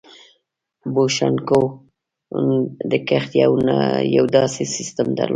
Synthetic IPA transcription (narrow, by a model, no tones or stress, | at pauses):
boʃanko | d̪əkaxt̪jawnajawd̪ɑsesist̪əmd̪a̰ɾlo